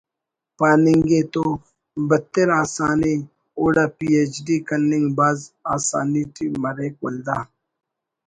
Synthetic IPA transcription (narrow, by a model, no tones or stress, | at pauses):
paːnɪŋɡet̪o | bət̪ːeɾaːsaːni | oːɽaːpiːeːt͡ʃɖiːkɐnːɪŋɡbaːzaːsa̰ːniːʈʰimɐɾeːk̚ɐ̰ld̪aː